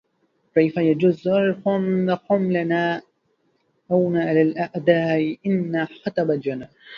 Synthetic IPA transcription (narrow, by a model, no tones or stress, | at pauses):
kajfajad͡ʒʊzalkʊmlaxʊmlanaː | ʔawnaʔalalʔaʔd̪aːʔɪʔɪnːaxɑt̪ˤɑbald͡ʒanːa